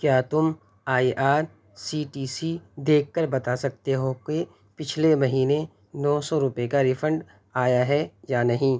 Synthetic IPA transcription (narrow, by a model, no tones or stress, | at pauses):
kjaːt̪ʊm | aːiʔaːɾ | siːʈiːsid̪eːk̚ʰkəɾbɐt̪asɐk̚t̪eɦoke | pɪt͡ʃʰlemɐɦiːne | nɔːsɔɾʊpekaɾɪfʰə̃ɳɖ | aːjaɦɛjaːnɐɦĩ